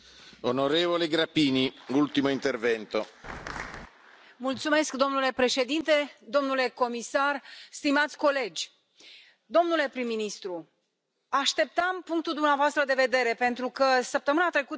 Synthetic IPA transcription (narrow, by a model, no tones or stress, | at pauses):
onoɾevoleɡɾapiːniult̪imoint̪ervɛnt̪o | mult̪sume̞skd̪o̞mnule̞pɾe̞ʃe̞d̪int̪e̞d̪o̞mnule̞ko̞misarst̪imat̪sʲko̞le̞d͡ʒʲ | d̪o̞mnule̞pɾimːinist̪ɾu | aʃt̪e̞p̚t̪əmpuŋk̚t̪uld̪umeavoast̪ɾəd̪e̞ve̞d̪e̞ɾe̞pe̞nt̪ɾukəsəp̚t̪əmɨnat̪ɾe̞ku